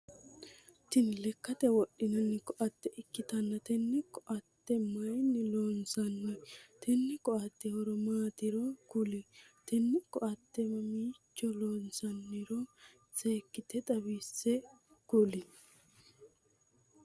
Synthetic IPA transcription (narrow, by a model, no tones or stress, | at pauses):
t̪ɪnlɛkːɐt̪ɛwɔɗːɪnɐnːɪkɔʔɐt̪ːɛʔɪkːɪt̪ɐnːɐt̪ɛnːɪkːɔʔɐt̪ːɛmɐjnɪloːnsɐnːɪt̪ɛnːɪkɔɐt̪ːɛhɔɾɔmaːt̪ɪɾɔkʊlɪt̪ɛnːɪkːɔʔɐt̪ːɛmɐmiːt͡ʃːɔloːnsɐnːɪɾɔ | t͡seːkːɪt̪ɛt̪ʼɐbiːsːɛ | kʊlɪ